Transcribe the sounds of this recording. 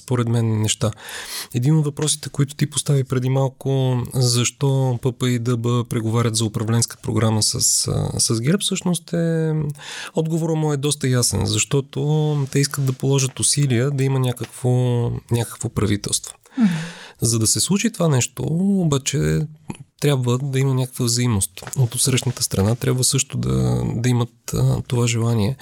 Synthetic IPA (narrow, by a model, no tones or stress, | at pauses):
spoɾɛd̪mɛnːɛʃt̪aɛd̪inod̪vɐpɾɔsi̥t̪ɛkoit̪ʊ̥t̪ipost̪avipɾɛd̪imalˠkʊzɐʃt̪ɔpɤpəid̪ɐbəpɾɛɡovaɾʲət̪zɐʊpɾɐvlɛnskə̥pɾo̰ɡɾaməsə̰ssɐzɡɛɾpfsɤʃnost̪ɛ | ɔd̪ɡovoɾəmoɛd̪ɔs̬t̪əjasɛ̰nzɐʃt̪ɔt̪ot̪ɛiskət̪̚d̪ɐpolˠɔʒət̪ʊsiliəd̪ɐimənʲakəkvonʲakə̥kvopɾɐvit̪ɛ̰lˠst̪vo̥ | zɐd̪ɐsɛslˠut͡ʃit̪ovanɛʃt̪o̰obat͡ʃɛ | t̪ɾʲabvəd̪ɐimənʲakə̥kvəvzɐimnost̪ot̪ot̪sɾəʃnət̪əst̪ɾɐnat̪ɾʲabvəsɤʃt̪ʊd̪ɐ̰d̪ɐimət̪ːovaʒɛlˠaniɛ